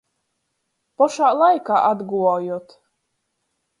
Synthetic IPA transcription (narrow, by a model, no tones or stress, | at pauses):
pɔʃaːlˠajkaːʔad̪ɡuvɔjuɔt̪